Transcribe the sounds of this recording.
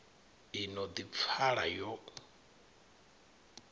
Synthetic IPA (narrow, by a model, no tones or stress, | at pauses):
inɔd̪ip̪fʰaɺajɔ